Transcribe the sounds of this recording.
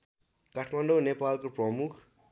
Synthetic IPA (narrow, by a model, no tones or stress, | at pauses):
kʌʈʰmʌnɖownepalkoprʌmukʰ